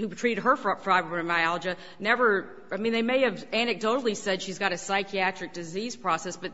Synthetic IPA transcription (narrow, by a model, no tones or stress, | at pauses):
hutʰɹ̥iɾɨd̚ɦə˞ffɹaɪvəɹɨmaɪɑlˠd͡ʒɨ | nɛvə˞ | aɪmĩnðeɪmeɪɨvænɨk̚d̥oʊɾl̩ˠisɛdʃizɡɑɾɨsaɪkʰiæt͡ʃɹ̥ɨk̚d̥ɨziz̥pʰɹ̥ɔsɛsb̥ʌt̚